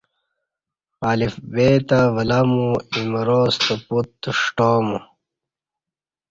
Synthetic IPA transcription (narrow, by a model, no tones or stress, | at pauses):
aːlifbeːt̪ɐvɐlamuimɐɾost̪ɐput̪ːʂʈoːmu